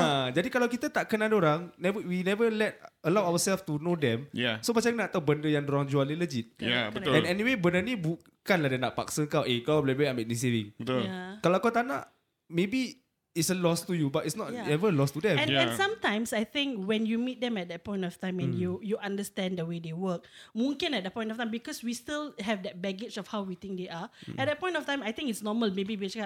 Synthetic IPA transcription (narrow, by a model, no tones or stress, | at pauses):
ad͡ʒadikalawkit̪at̪aʔkənadoɾaŋnɛvəwinɛvəlɛt̚əlawawəsɛlft̪unodɛ̃mjasomat͡ʃãkənãʔt̪awbəndəjãŋdoɾãŋd͡ʒualiləd͡ʒit̪̚jabəɛ̃nɛniwebəndənĩbu | kanladənaʔpa̰ksəkawʔekalablɛbeamɛt̚nĩs̬evĩŋbət̪ʊlakalakat̪anã̰ʔ | mebiː | tsəlɔstujubatitsnɔtɛvəəlɔstudɛ̃mɛ̃nɛ̃nsãmtãj̃msajt̪ɪ̃ŋkwɛ̃njumit̚dɛ̃mɛt̚dɛt̚pɔ̃j̃ntɔftãɪ̃mɛ̃njujuʔãndəstɛ̃ndəwedewək̚mũŋkə̃nɛt̚dəpɔ̃j̃ntɔftãjmbikɔswistilhɛvdɛt̚bɛɡet͡ʃɔfhawwit̪ɪ̃ŋk̚deʔaɛt̚dɛt̚pɔ̃j̃ntɔftãjmajt̪ɪ̃ŋitsnɔməlmebibit͡ʃa